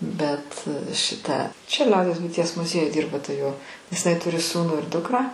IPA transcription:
ˈbʲɛt ʃʲɪˈtɐ t͡ʃʲɛ ˈlʲɛʊdʲiɛs bʊɪˈtʲiɛs mʊˈzʲiɛjʊj ˈdʲiːrbɐ tɐ joː nʲɛs ɪˈnɐɪ ˈtʊrʲɪ ˈsuːnuː ɪr ˈdʊkrɑː

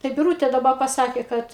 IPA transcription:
tɐɪ bʲɪˈruːtʲeː dɐˈbɐ pɐˈsɑːkʲeː ˈkɐt

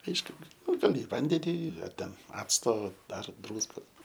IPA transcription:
ˈɐɪʃkʊ ˈnʊ ɡɐˈlʲɪ ɪ ˈʋɐnʲdʲɛnʲɪ ɐr ˈtʲɛn ˈɑːt͡stoː dɐr ˈdruːskoːs

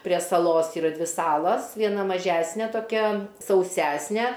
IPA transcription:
pʲrʲiɛ sɐˈlˠoːs iːˈrɐ ˈdʲʋʲɪ ˈsɑːlˠɐs ʋʲiɛˈnɐ mɐˈʒʲæsʲnʲɛ toːˈkʲɛ sɐʊˈsʲæsʲnʲɛ

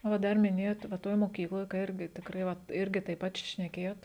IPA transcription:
oː ˈdɐr mʲɪˈnʲeːjoːt ʋɐ ˈtoːj moːˈkʲiːklˠoːj ˈɪrʲɡʲɪ tʲɪkˈrɐɪ ˈʋɐt ˈɪrʲɡʲɪ tɐɪp ˈpɐt ʃ ʃʲnʲɛkʲeːjoːt

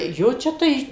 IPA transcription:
ˈjoː ˈt͡ʃʲɛ tɐɪ

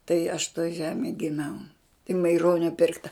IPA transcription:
tɐɪ ɐʃ toːj ˈʒʲæːmʲeːj ɡʲɪˈmʲɛʊ ɪ mɐɪˈroːnʲoː ˈpʲɪrktɐ

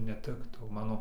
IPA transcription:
nʲɛˈtʲɪktɐʊ ˈmɑːnoː

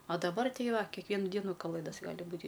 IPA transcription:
ɐ dɐˈbɐr ˈtʲɛɪ ˈʋɐ kʲɛkˈʋʲiɛnʊ ˈdʲiɛnʊ kɐˈlˠɘdɐs ˈɡɑːlʲɪ ˈbuːtʲɪ

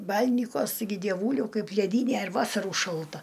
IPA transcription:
ˈbɐlʲnʲɪkuɔs tɐɪˈɡʲɪ dʲiɛˈʋuːlʲɛʊ ˈkɐɪp lʲɛˈdʲiːnʲɛ ɪr ˈʋɑːsɐrʊ ʃɐlˠˈtɐ

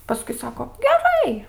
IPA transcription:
pɐˈskʊɪ ˈsɑːkoː ɡʲɛˈrɐɪ

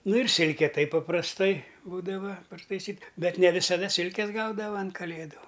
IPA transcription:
ˈnʊ ɪr ˈsʲɪlʲkʲɛ ˈtɐɪp pɐprɐsˈtɐɪ ˈbuːdɐʋɐ pɐrtɐɪˈsʲiːt ˈbʲɛt nʲɛ ʋʲɪsɐˈdɐ ˈsʲɪlʲkʲɛs ˈɡɐʊdɐʋɐ ɐn kɐˈlʲeːdʊ

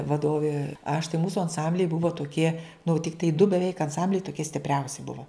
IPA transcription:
ʋɐˈdoːʋʲeː ɐʃ tɐɪ ˈmuːsʊ ɐnˈsɐmʲbʲlʲɛɪ ˈbʊʋoː toːˈkʲiɛ nʊ tʲɪkˈtɐɪ dʊ bʲɛˈʋʲɛɪk ɐnˈsɐmʲbʲlʲɛɪ toːˈkʲiɛ sʲtʲɪpʲˈrʲɛʊsʲɪ ˈbʊʋoː

